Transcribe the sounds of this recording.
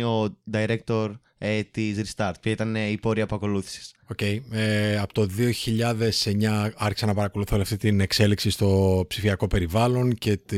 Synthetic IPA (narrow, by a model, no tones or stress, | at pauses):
o̞d̪ɐiɾe̞k̚t̪o̞ɾ | et̪izɾist̪ɐɾt̪̚pɐit̪ɐneipo̞ɾiɐpɐko̞luθi̥si̥s | o̞ce̞jeɐpo̥t̪o̞ðio̞çiʎɐðe̞se̞ɲɐɐɾçi̥sɐnɐpɐɾɐko̞luθoliɐft̪it̪ine̞kse̞liksist̪o̞psifiɐko̞pe̞ɾivɐlo̞nce̞t̪